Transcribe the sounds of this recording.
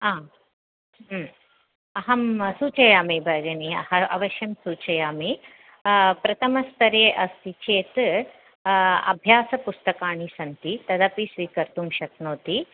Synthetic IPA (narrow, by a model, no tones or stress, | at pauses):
aː | ɐɦɐmsuːt͡ʃɐjaːmibʱɐɡɐniɐ̰hɐɐ̰ʋɐʃjɐmsuːt͡ʃɐjaːmi | pɾɐt̪ʰɐmɐst̪ɐɾeːʔɐst̪it͡ʃʰeːt̪ | ɐ̰bʱjaːsɐpust̪ɐkaːɳisɐnt̪it̪ɐd̪ɐpisʋiːkɐɾt̪umʃɐt̪noːt̪i